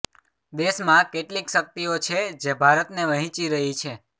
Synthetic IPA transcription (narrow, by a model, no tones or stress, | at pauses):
d̪eʃmãkeʈlikʃək̚t̪iot͡ʃʰed͡ʒebʱaɾət̪neʋəɦĩt͡ʃiɾəɦit͡ʃʰe